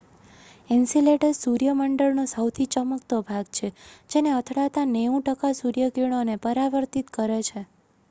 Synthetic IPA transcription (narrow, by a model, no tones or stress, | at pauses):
ɛnsileʈəɾsuɾjəməɳɖəɭnosəwt̪ʰit͡ʃəməkt̪obʱaɡt͡ʃʰed͡ʒeneət̪ʰɽat̪aneũʈəkasuɾjəkiɽ̃onepəɾaʋəɾt̪it̪kəɾet͡ʃʰe